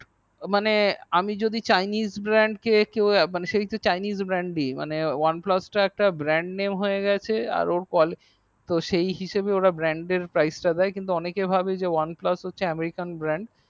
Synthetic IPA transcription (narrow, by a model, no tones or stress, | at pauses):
maneamid͡ʑod̪it͡ɕajnizbɾɛɳɖkekewmaneʃeit̪ot͡ɕajnizbɾɛɳɖɖima̰newanplasʈaɛk̚ʈabɾɛɳɖnemɦoeɡɛt͡ɕʰea̰ɾoɾkɔl | t̪oʃejɦiʃebeoɾabɾɛɳɖeɾpɾajsʈad̪ɛekint̪̬uɔnekebʱabed͡ʑewanplasɦotːɕʰeɛmeɾikanbɾɛɳɖ